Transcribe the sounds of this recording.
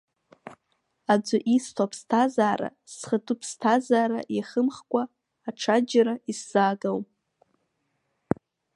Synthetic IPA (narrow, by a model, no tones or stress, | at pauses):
ad͡zʷʊʔistʰapʰstʰazaːɾa̰sχətʰʼupʰstʰazaːɾaʔaχəmχkʷʼaː | ʈ͡ʂʰad͡ʒaɾaisz̥aːɡawpʼ